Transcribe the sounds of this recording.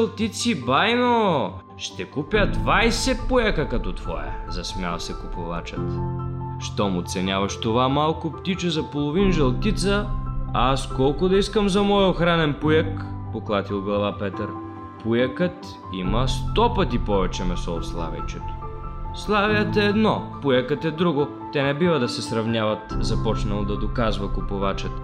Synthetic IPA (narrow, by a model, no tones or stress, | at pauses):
lˠt̪it̪sibajno | ʃt̪ɛkupʲjəd̪vajsɛpujəkəkɐt̪ɔt̪v̥ɔ̰jə̰zɐsmʲa̰lˠsɛkʊpova̰t͡ʃət̪ʃt̪ɔmʊt̪sɛnʲavɐʃt̪ovamalˠkʊpt̪it͡ʃəzɐpolˠovinʒɐlˠt̪it̪səaskɔlˠkʊd̪ɐiskəmzɐmɔjoxɾanɛnpujəkpoklˠat̪ilˠɡlˠɐvapɛt̪əɾ | pujəkət̪ | iməst̪ɔpət̪ipɔvɛt͡ʃɛmɛsɔʊslˠa̰vʲɐ̰jt͡ʃɛt̪o̥slˠaviət̪ɛːd̪nɔpujəkət̪ɛd̪ɾuɡo | t̪ɛnɛbivəd̪ɐsɛsɾɐvnʲjavət̪zɐpɔt͡ʃnɐlˠd̪ɐd̪okazvəkʊpovat͡ʃət̪